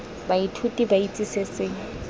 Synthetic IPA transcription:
baitʰutʼibait͡sʼisesɪŋ̩

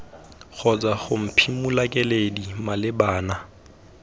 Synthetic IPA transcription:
χɔt͡sʼaχʊm̩pʰimulakʼɛledimalɪbaːna

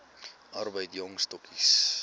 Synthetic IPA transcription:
ɐrbəjtjɔŋstɔkʰis

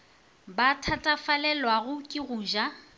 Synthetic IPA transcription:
batʰatʼafalɛlwaɣʊkʼɪɣuːʒa

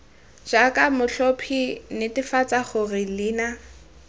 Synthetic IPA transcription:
d͡ʒakʼamʊɬɔpʰinɪtɪfat͡sʼaχʊrɪliːna

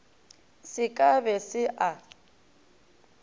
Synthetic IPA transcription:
sɪkʼabɛsɪʔa

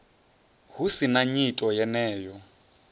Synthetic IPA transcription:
ɦusinaɲitʼɔjɛnɛːjɔ

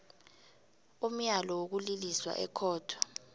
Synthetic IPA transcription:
um̩jalɔwok̬uliliswa̰ʔɛ̰kʰɔːtʰwḁ

